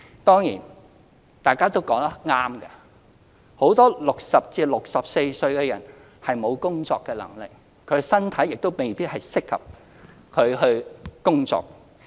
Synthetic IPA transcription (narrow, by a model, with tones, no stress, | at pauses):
t̪ɔː˥ŋjḭː˨˩n | t̪aː˨jkaː˥t̪o˥wkɔː˨˥ŋt̪ɐ˥ŋaː˥mkɐ˧ | ho˨˥wt̪ɔː˥lʊ˨k̚sɐ˨p̚t͡siː˨˧lʊ˨k̚sɐ˨p̚se˧jsɵ˧ɥkɛː˧jɐ̰˨˩n | hɐ˨jmo˨˧wkʊ˥ŋt͡sɔː˧kːɛː˧lɐ̰˨˩ŋlɪ˨k̚ | kʰɵ˨˧ɥsɐ˥nt̪ʰɐ˨˥jɪ˨k̚t̪o˥wme˨˩jpiː˥t̚hɐ˨jsɪ˥khɐ̰˨p̚ | kʰɵ˨˧ɥɦɵ˧ɥkʊ˥ŋt͡sɔ̰ː˨k̚